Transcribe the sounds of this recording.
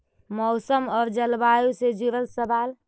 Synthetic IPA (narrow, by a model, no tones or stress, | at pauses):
mɔʊsəmɔːɾd͡ʒəlbajused͡ʒiɾəlsəbaːl